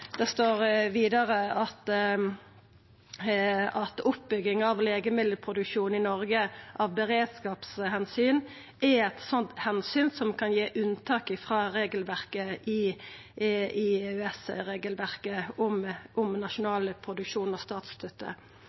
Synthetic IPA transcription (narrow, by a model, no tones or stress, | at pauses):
d̪̥ɛst̪oːʁʋiːd̪əʁəɑt̪ | ɑt̪ʊpbʏɡɪŋɑʋleːɡəmɪd̪əlpʰʁʊd̪ʉkʂuːn̩ɪnɔʁɡəʔɑʋbəʁeːd̪skɑːpshɛnsyːn | ɛɛt̪sɔnt̪hɛnsyːnsɔmkʰɑnjeːʔʉnt̪ʰɑːkɪfʁɑːɾeːɡəlʋæʁkəɪ | ɪʉɛsʁeːɡəlʋæʁkəʊmʔʊmnɑʂʊnɑːləpʰʁʊd̪ʉkʂuːnɔst̪ɑːt̪st̪ʰœt̪ʰːə̰